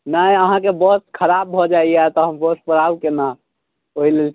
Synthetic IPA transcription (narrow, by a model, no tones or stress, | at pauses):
nəjəɦãkebəskʰəɾab̚ːʱɔd͡ʒaiat̪ɔɦəmbəs̚pəɽ̤abkena | oilel